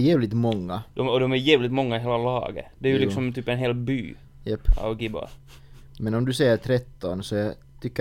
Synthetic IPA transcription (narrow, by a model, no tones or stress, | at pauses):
jɛːvlɪt̪mɔŋːad̪̥ɔɔd̪ɔmæɾjɛːvlɪt̪mɔŋːaɪɦeːlalɑ̰ːɡə̰d̪ɛæɾjʉlɪksɔmt̪ʰyːpɛnɦeːlbyː | jɛpːa̰ɡɪbɑ̰ | mɛnɔmd̪ɵsɛjːəɾʈ̪ʰɾɛt̪ːɔnsɔɑ | t̪ʰʏkːə